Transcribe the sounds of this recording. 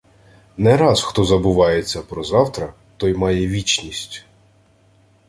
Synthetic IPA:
nɛɾɑzxt̪ɔzɐbʊʋɑjet͡sʲːɐpɾɔzɑwt̪ɾɐ | t̪ɔjmɑjɛʋʲit͡ʃnʲisʲtʲ

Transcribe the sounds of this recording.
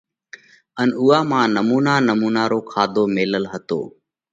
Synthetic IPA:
ənuːaːmãːnəmuːnaːnəmuːnaːɾoːkʰaːd̪ʱoːmeːləlɦət̪o̰ː

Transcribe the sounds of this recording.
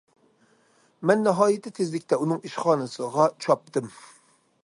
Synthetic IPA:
mɛnːɨɦɑːjɪt̪ʰɪt̪ʰezlɪkʲt̪ʰɛunɨŋiʃχɑːnɨsɨʁɑt͡ʃʰɑp̚t̪ʰɨm

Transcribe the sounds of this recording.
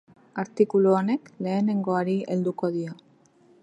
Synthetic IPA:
aɾt̪ikuluone̞kle̞ːne̞ŋɡo̞aɾie̞ld̪uko̞ðio

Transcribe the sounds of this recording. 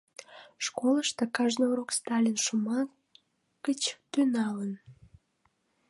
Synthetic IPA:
ʃkoləʃt̪əkɑʒnəuɾokst̪ɑlʲinʃəmɑ | kət͡ɕt̪ynɑlən

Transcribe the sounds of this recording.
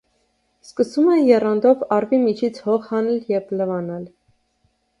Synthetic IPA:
skəsumɛjɛrɑnd̪ɔvɑrvimit͡ʃʰit͡sʰhɔχhɑnɛljɛvləvɑnɑl

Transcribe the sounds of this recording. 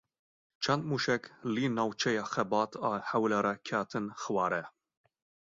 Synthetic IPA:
t͡ʃʰɛnd̪muʃɛkliːnɑːwt͡ʃʰɛjɑːxɛbɑːt̪ʰɑħɛwlɛɾɛkʰæt̪ʰɨnxɨwɑːɾɛ

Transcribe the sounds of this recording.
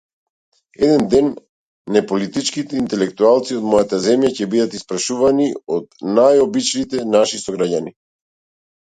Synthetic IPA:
ɛd̪ɛnd̪ɛnː | ɛpɔlit̪it͡ʃkit̪ɛint̪ɛlɛk̚t̪ualˠt̪siod̪mɔjat̪azɛmjacɛbid̪at̪ispɾaʃuvaniɔd̪najɔbit͡ʃlit̪ɛnaʃisɔɡɾaɟani

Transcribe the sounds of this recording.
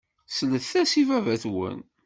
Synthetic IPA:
sələθθæsivævæθwə̰n

